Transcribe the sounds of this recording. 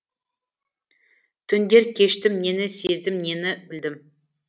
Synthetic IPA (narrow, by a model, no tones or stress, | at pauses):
t̪ʰʏnd̪e̞ɾkʲʰe̞ʃt̪ɪmne̞nɪse̞zd̪ɪmne̞nɪbɪld̪ɪm